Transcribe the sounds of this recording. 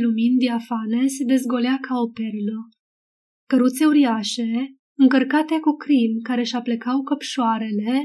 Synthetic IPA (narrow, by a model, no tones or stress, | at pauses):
lumind̪iafane̞sed̪e̞zɡo̞leakʰaopeɾilo | kəɾut̪se̞uɾiaʃe̞ | ɨŋkərkat̪e̞kukɾimkaɾe̞ʃaplekawkəpʃoaɾe̞le̞